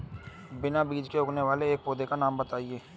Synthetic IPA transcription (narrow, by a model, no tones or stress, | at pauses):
bɪnabiːd͡ʒkeʊkneʋaːleeːk̚poːd̪ekanaːmbət̪aːieː